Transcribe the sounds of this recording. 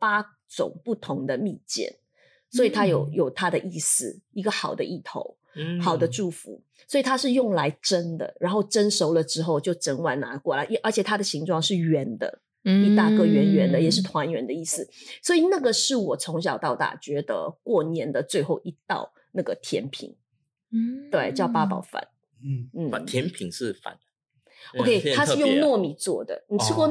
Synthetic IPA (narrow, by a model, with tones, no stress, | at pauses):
pa˥ | t͡sʊ̰˨˩ŋpu˥˩t̪ʰʊ˧˥ŋd̪ə˧mi˥˧t͡ɕjɛ̰˥˩n | swɔ˧˥i˨˩t̪ʰa˥jo˨˩ʊjo˨˩ʊt̪ʰa˥d̪ə˨ʔi˥˩sɹ̩˨˩i˧˥ɡə˧xɑ˨˩ʊd̪ə̰˦ʔi˥˩t̪ʰo̰˧˥ʊ | xɑ˨˩ʊd̪ə˦ʈ͡ʂu˥˩fṵ˧˦ | swɔ˧˥i˨˩t̪ʰa˥ʂɻ̩˥˧jʊ˥˩ŋla˧˥ɪʈ͡ʂə˦˥nd̪ə̰˨˩ɻʔa˧˥nxo˥˩ʊʈ͡ʂə˥nʂo˧˥ʊlə˨ʈ͡ʂɻ̩˥xo˥˧ʊt͡ɕjo˥˩ʊʈ͡ʂə˧˥nwa˥˩nna˧˥kwɔ˥˩la̰˩jɛ˨˩ʔə˞˧˥t͡ɕʰjɛ˨˩t̪ʰa˥d̪ə˨ɕi˧˥ŋʈ͡ʂʰwɑ˥˧ŋʂɻ̩˥˩ɥɛ˧˥nd̪ə̰˧ | i˥˩t̪a˥˧kɤ˥˧˩ɥɛ˧˥nɥɛ˧˥nd̪ə˨jɛ˨˩ʂɻ̩˥˩t̪ʰwa˧˦˥nɥɛ˧˥nd̪ə˧i˥˩sɹ̩˨˩swɔ˧˥i˨˩na˥˩ɡə˩ʂɻ̩˥˩wɔ˨˩t͡sʰʊ˧˥ŋɕ̬ɑ˨˩ʊt̪ɑ˥˧ʊt̪a̰˨˩t͡ɕɥɛ˧˥d̪ə̰˧kwɔ˥˩njɛ˧˥nd̪ə˨t͡swe˥˧ɪxo˥˩ʊʔi˧˥t̪ɑ̰˥˧ʊ | na˥˩ɡə˩t̪ʰjɛ̰˧˥npʰḭ˨˩˦ŋ | t̪we˥˩ɪt͡ɕjɑ˥˩ʊpa˥pɑ̰˨˩ʊfa̰˨˧˦n | n̩˥˩˨t̪ʰjɛ˧˦npʰi˨˩ŋʂɻ̩˥˩fa̰˨˩˦n | o˧ʊkʰe˥˧ɪa˥ʂ̩˥˧jʊ˥˧ŋnwɔ˥˩mi˨˩t͡swɔ̰˥˩d̪ə̰˩ni˨˩ʈ͡ʂʰɻ̩˥kwɔ˥˧